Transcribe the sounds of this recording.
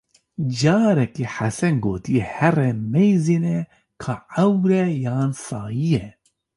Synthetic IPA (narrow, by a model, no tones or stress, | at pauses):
d͡ʒɑːɾɛkeːħasɛnɡoːt̪ijɛhɛrɛmɛjziːnɛ | kʰaːʕɛwɾɛjaːnsaːjijɛ